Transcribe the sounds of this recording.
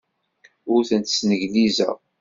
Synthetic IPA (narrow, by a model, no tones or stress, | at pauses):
ʊɾθənt̪ə̥snəʝlizæ̰